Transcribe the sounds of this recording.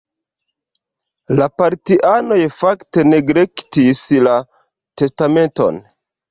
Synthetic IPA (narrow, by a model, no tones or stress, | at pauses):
lapaɾtiʔano̞jfakte̞ne̞ɡɾektisla | te̞stame̞nto̞̰n